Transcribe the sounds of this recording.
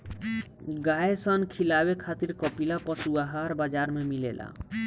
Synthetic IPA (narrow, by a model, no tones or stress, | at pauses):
ɡaesənkʰilabekʰat̪iɾkɔpilapɔsuaɦaɾbad͡ʒaɾmemilelʔa̰